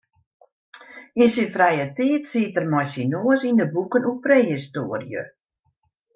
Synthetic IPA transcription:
insinfrɛjətiətsitərmɔjsinoəsindəbukənupreːhistoərjə̰

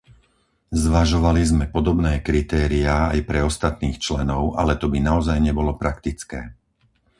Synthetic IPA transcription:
zʋaʒɔʋalizmɛpɔd̪ɔbnɛːkɾit̪ɛːɾiaːjpɾɛɔst̪at̪niːxt͡ʃlɛnɔʊʔa̰lɛt̪ɔbinaɔzajɲɛbɔlɔpɾakt̪it͡skɛː

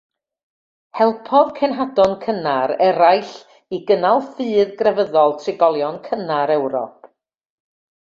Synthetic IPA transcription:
hɛlˠpʰɔðkʰɛnɦadɔnkʰənaɾɛɾajɬ | iɡənalˠfɨːðɡrɛvəðɔlˠtʰrɪɡɔlˠjɔnkʰənaɾɛwɾɔ̰pʰ

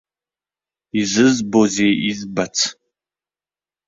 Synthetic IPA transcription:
izɨzbozeʔizbat͡sʰ

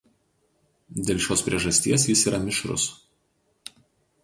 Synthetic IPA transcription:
d̪ʲeːlʲʃʲoːspʲɾʲiɛʒɐsʲt̪ʲiɛs̬jɪsiːɾɐmʲɪʃɾʊ̰s

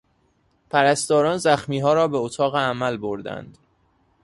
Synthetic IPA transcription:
pʰæɾæst̪ɒːɾɒːnzæxmiːɦɒːɾɒːbeot̪ʰɒːɣeæmælboɾd̪æ̰nd̪̥

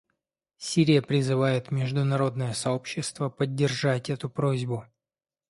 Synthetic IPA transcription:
sʲiɾʲɪjəpɾʲɪzɨvajɪt̪mʲɪʐd̪ʊnɐɾo̞d̪nəjəsɐo̞pɕːɪst̪vəpədʲːɪratʲɛt̪ʊpɾo̞zʲbʊ

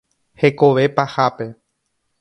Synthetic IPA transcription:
he̞ko̞ʋe̞pahape̞

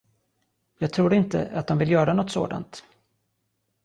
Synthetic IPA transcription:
jɑːɡ̚t̪ʰɾuːɾɪnt̪ə̰ʔat̪̚d̪ɔmvɪlːjœːɾanɔt̪ːso̰ːd̪a̰nt̪

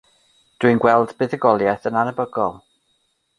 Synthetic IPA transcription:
d̥wɨnɡwɛlˠdbɨðəɡɔlˠjaθənanəbəɡɔlˠ

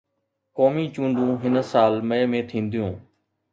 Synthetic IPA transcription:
koːmĩːt͡ʃũːnd̪ũːɦɪnsaːlməjəmẽːt̪ʰĩːnd̪ɪjũː

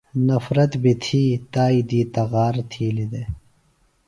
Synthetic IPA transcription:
nɐfɾɐt̪bit̪ʰiːt̪aːid̪iːt̪ɐɣaːɾt̪ʰiːlid̪e

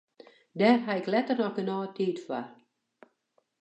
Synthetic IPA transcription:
dɛrɦaɪklɛtərnɔxənɔːətiːtfwar

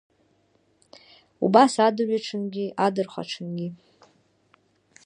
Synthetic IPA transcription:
ṵbasadɨɥʷaʈ͡ʂʰɨnɡʲiʔadɨrχʷa̰ʈ͡ʂʰɨnɡʲi

